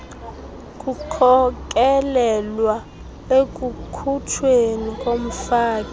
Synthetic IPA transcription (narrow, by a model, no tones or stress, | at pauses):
kʼukʰɔk̬ʼɛlɛlwa | ek̬ʼukʰutʰwenikʼom̩faːkʼi